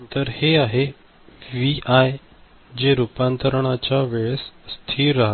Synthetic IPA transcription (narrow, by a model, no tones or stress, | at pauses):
nt̪əɾheaɦe | ʋiaj | d͡ʑeɾupant̪əɾɳat͡ɕaʋeɭsːt̪ʰiːɾːaɦa